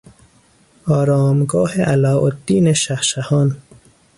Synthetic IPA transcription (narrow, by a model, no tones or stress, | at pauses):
ɑːɾɑːmɡɔːheʔalɑːʔod̪ːiːneʃahʃahɔːn